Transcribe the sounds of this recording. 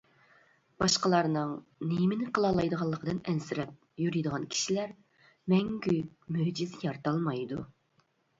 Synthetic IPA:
bɑʃqəlˠɑɾnɨŋ | nejmɪnɪqəlˠɑlˠɑjd̪əʁɑlˠːəqʰəd̪ɨnɛnsɪɾɛp̚ | jyɾijd̪əʁɑnkʲʰi̥ʃilæɾ | mɛŋɡʲy | møhd͡ʒizɪjɑɾt̪ɑlˠmɑjd̪u

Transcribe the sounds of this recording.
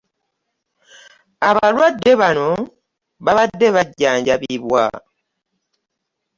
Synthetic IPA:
aβalwadːe̞βano̞ | βaβadːe̞βaɟːaːɲɟaβiβwa̰

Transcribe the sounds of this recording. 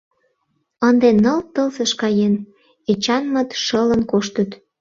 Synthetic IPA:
ənd̪enəlt̪əlzəʃkɑjen | et͡ɕɑnmə̆t̪ʃələnkoʃt̪ət̪

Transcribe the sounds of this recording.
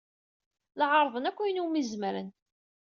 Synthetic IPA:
lʕɑɾˤðˤənækʷːæjnumizməɾə̰n

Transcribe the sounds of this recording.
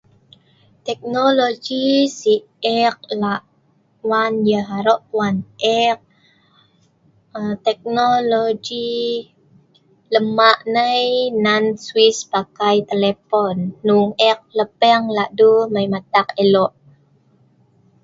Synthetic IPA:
t̪ɛk̚nolod͡ʒisi | ɛk̚laʔ | wanjəɦaɾoʔpwanʔɛk̚ | ət̪ɛk̚nolod͡ʒi | ləmaʔnəjnanswispakajt̪elepɔnːuŋɛk̚ləpɛŋlaʔduməjmat̪akelɔʔ

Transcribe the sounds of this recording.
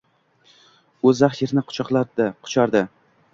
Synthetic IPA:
ɵzaχjeɾnɪqʰʊ̥t͡ʃʰɒqlˠad̪ɪqʰʊ̥t͡ʃʰaɾd̪ɪ

